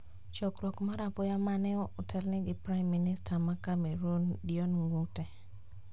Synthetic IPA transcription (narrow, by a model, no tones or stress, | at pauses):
t͡ʃɔkɾɔkmaɾapɔjamanɛɔʊtʰɛlnɛɡɪpɾajmːinɪstʰamakameɾondiɔnŋutɛ